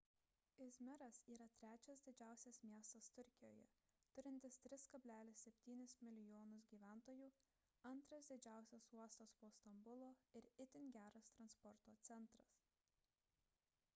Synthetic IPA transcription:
ɪzʲmʲɪɾɐsiːɾɐt̪ʲɾʲæːt͡ʃʲɛsd̪ʲɪd͡ʒʲæˑʊsʲɛsmʲiɛst̪ɐst̪ʊɾʲkʲɪjoːjɛ̰t̪ʊɾʲɪnʲt̪ʲɪst̪ʲɾʲɪskɐbʲlʲæːlʲɪsːʲɛpʲt̪ʲiːnʲɪsmʲɪlʲɪjoːnʊs̬ɡʲiːʋʲæˑnt̪oːjuː | ɐnˑt̪ɾɐsd̪ʲɪd͡ʒʲæˑʊsʲɛsuɔst̪ɐspoːst̪ɐmbʊlˠoːɪɾɪt̪ʲɪnʲɡʲæːɾɐst̪ɾɐnspɔɾt̪oːt̪sʲɛnˑt̪ɾɐs

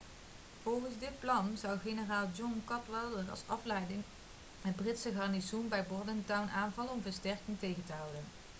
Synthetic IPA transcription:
v̥ɔlˠχənzdɪt̚plɑnzɑwχenəraːlˠd͡ʒɔnkɑtʋɛlˠdəɹɑ̰lˠsɑflɛjdɪŋ | məd̚brɪtsəχɑɹnisunbɛjbɔɹdəntœwnʔaːnvɑləɔmvəɹstɛɹkɪŋtejəntəɦɑwdən

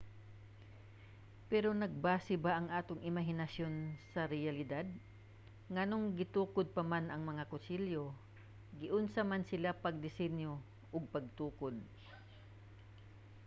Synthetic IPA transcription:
pɛɾo̞nɐɡ̚baːsɪbaʔɐŋʔaːt̪oŋʔɪmɐɦɪnɐsjo̞nsɐɾɛjɐlɪd̪ad̪̚ | ŋɐnoŋɡɪt̪uːkod̪̚pɐmanɐŋmɐŋakʊsiljo | ɡɪʔʊnsamansɪlapɐɡ̚d̪ɪsɛnjo | ʔʊɡ̚pɐɡ̚t̪uːkod̪̚

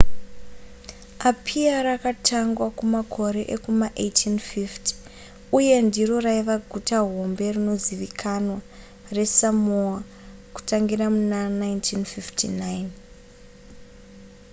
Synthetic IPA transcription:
apʰiaɾakatʰaŋɡwakumakʰo̞ɾe̞ʔekumaʔetʰinfiftʰi̥ | uje̞ndiro̞raiʋaɡʱutaɦo̞mbe̞rino̞ziʋikʰanwa | re̞samua | ku̥taŋɡiramunanaintʰinfiftʰinajin

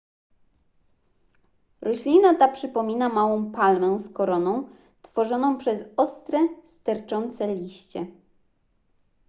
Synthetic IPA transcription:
ɾɔɕlʲinat̪apʂɘpɔmʲinamawɔ̃w̃palmɛ̃w̃skɔɾɔnɔ̃w̃ | t̪fɔʐɔnɔ̃w̃pʂɛzɔst̪ɾɛst̪ɛɾt͡ʂɔnt̪sɛlʲiɕt͡ɕɛ

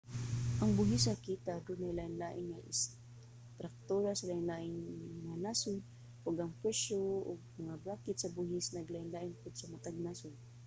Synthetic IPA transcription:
ʔɐŋbʊɦɪsakiːt̪ad̪ʊnajlaːʔɪnlaːʔɪnŋaʔɪ̰s | t̪ɾak̚t̪oɾasalaːɪnlaːʔɪnŋanasʊn | ʊɡɐŋpwɛʃoʊ̰ɡ̚mɐŋabɾakɪt̪̚sɐbʊɦɪsnɐɡlaʔɪnlaːʔɪnpʊd̪sɐmat̪aɡ̚nasʊn

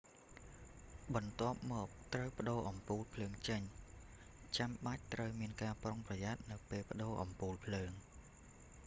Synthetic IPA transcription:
ɓɑnt̪ŏəp̚mɔːk̚t̪rəwpə̆ɗoːʔɑmpuːlpʰləːŋt͡ɕəɲ | t͡ɕamɓac̚t̪rəwmiənkaːproŋprɑjaːt̪̚nɨwpeːlpə̆ɗoːʔɑmpuːlpʰləːŋ

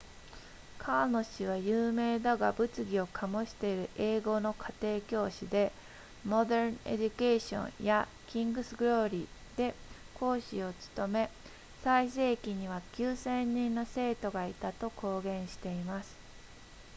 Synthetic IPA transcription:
kʰaːno̞ɕiβ̞ajɯːme̞ːd̪aɡabɯ̟t͡sɨɡʲio̞kʰamo̞ɕi̥t̪e̞iɾɯ̟ʔe̞ːɡo̞no̞kʰat̪e̞ːkʲo̞ːɕid̪e̞ | mo̞d̪eɾnḛd͡ʑɯkeːɕõ̞̰ɲja | kʲĩŋɡɯ̟sɨɡɯɾo̞ːɾʲid̪̥e̞ | kʰo̞ːɕio̞t͡sɨ̥t̪o̞me̞ | saise̞ːkʲiɲ̟iβakʲɨːsẽ̞ɲ̟ːĩnːo̞se̞ːt̪o̞ɡait̪at̪o̞kʰo̞ːɡẽ̞ɰ̃ɕi̥t̪e̞imasɨ̥

